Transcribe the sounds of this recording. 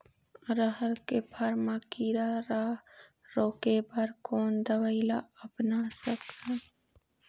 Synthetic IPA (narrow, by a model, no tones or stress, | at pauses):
ɾəɦəɾkepʰəɾmakiːɾaɾa | ɾoːkebəɾkoːnd̪əwəɪlaəpnasəka